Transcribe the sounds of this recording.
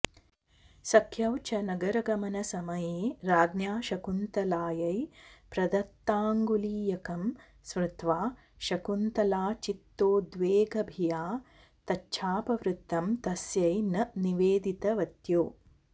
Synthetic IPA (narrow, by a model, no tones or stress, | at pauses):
sɐkʰjɐwt͡ʃʰɐnɐɡɐɾɐɡɐmɐnɐsɐmɐjeːɾaːɡnjaːʃɐkunt̪ɐlaːjɐjpɾɐd̪ɐt̪ːaːŋɡuliːjɐkɐm | sʋɾɪt̪ʋaː | ʃɐkunt̪ɐlaːt͡ʃit̪ːoːd̪ʋeːɡʱɐbʱijaː | t̪ɐtːʃʰaːpɐʋɾut̪ːɐmt̪ɐsjɐjnɐniʋeːd̪it̪ɐʋɐt̪joː